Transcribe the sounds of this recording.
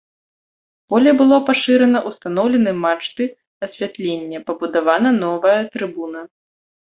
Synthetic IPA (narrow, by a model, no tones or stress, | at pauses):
b̥ɔlʲɛjbɨlˠɔpaʂɨɾɛnɐʔust̪anɔwlʲɛnɨjmat͡ʂt̪ɨ | ɐsʲvʲat̪lʲenʲːɐpɐbud̪avanɐnɔvɐjɐt̪ɾɨbunɐ